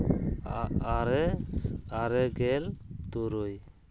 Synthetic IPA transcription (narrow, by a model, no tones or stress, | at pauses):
aɾɛ | aɾɛɡɛlt̪uɾuj